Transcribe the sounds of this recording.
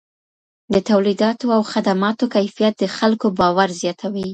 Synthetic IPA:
d̪ət̪awlid̪ɑt̪oawxad̪amɑt̪okajfijat̪̚d̪əxalkobɑwaɾzjɑt̪ʰawi

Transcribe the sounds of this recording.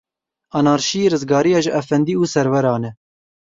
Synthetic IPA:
ɑnɑːɾʃijeːɾɨzɡɑːɾijɑːʒɨʔɛfɛnd̪iːuːsɛɾwɛɾɑːnɛ

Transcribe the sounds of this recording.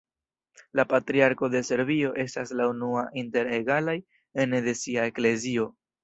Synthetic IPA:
lapatɾiaɾko̞de̞se̞ɾvio̞ʔe̞staslaunuaʔinte̞ɾeɡalaj | endesiae̞kle̞zio̞

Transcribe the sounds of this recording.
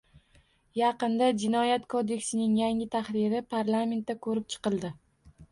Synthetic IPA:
jɑqɨnd̪ad͡ʒɪnɒjat̪kʰod̪e̞kʲsɪnɪŋjaŋɪt̪ʰaχɾɪɾɪpʰaɾlˠame̞nt̪̚ːakʰɵɾɪp̚t͡ʃʰɨ̥qɨlˠd̪ɪ

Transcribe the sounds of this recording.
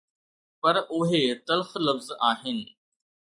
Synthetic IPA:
pɐɾʊɦet̪ɐlxlɐfzaːɦɪnɪ̆

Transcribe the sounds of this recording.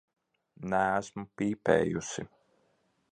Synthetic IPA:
nææsmupiːpɛ̰ːjusḭ

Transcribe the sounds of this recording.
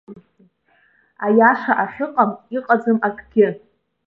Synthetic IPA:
ajaʂaʔaħʷᶣɨqʼamiqʼad͡zɨmakʰʼɡʲɪ

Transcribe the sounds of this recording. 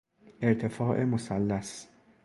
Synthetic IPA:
ʔɪɾt̪ɪfɑːʔɪmʊsɐlːɐs

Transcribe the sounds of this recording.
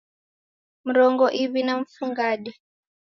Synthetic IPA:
m̩ɾɔŋɡɔʔiβinaɱ̩fuŋɡaɗɛ

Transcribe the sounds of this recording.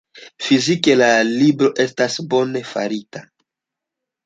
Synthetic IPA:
fizike̞lalibɾo̞ʔe̞stasbo̞ne̞fa̰ɾita

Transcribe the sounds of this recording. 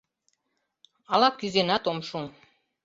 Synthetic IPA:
ɑlɑkyzenɑt̪omʃuŋ

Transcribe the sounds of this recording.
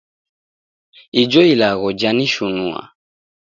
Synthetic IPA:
id͡ʒɔilaɣɔd͡ʒaniʃunua̰

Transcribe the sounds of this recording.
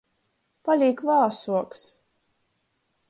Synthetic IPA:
palʲiːkvaːsuɔks

